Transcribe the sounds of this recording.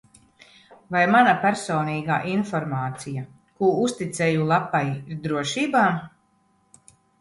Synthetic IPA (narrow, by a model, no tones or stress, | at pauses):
vajmanapæɾsɔːniːɡa̰ːʔinfɔɾmaːt̪sija | kuːust̪it̪sɛjulˠapːajiɾd̪ɾuɔʃiːbaːm